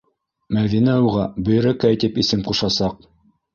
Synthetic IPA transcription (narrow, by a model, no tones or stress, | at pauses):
mæðinæuʁɑbɵ̆j̆ɾækæjt̪ɘpisɘmquʃɑsɑq̚